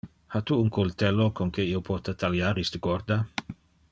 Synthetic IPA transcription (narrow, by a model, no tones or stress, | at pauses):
hat̪uuŋkʰolt̪ɛlokoŋkeiopʰɔt̪at̪ʰaljaːɾist̪əɡɔɾd̪a